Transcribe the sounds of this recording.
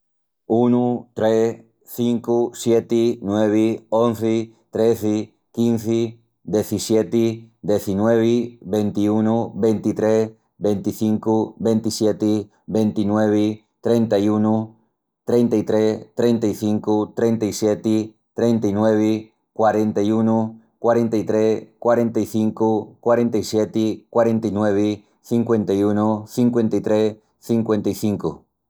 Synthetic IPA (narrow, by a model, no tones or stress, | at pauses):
unut̪ɾe | θiŋkusjet̪ɪnweβ̞ɪõnθɪ | t̪ɾeθɪ | kinθɪ | d̪eθisjet̪ɪd̪eθinweβɪβent̪iunubent̪it̪ɾes | bent̪iθiŋkubent̪isjet̪ɪ | bent̪inweβ̞ɪ | t̪ɾent̪ajunu | t̪ɾejnt̪aijt̪ɾest̪ɾent̪aiθiŋkut̪ɾent̪aisjet̪i | t̪ɾent̪anweβi | kwaɾent̪ajunu | kwaɾent̪ajt̪ɾeskwaɾent̪aiθiŋkukwaɾent̪ajsjet̪ikwaɾẽnt̪ainweβi | θiŋkwent̪ajunuθiŋkwe̞nt̪ajt̪ɾe | θiŋkwent̪aiθiŋku